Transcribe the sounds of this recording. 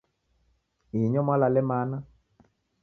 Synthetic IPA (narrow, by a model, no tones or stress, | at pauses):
iɲɔmwalalɛmaːna